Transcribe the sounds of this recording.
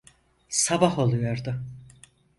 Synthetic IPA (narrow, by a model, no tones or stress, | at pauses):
sabaɦo̞lˠujoɾd̪ʊ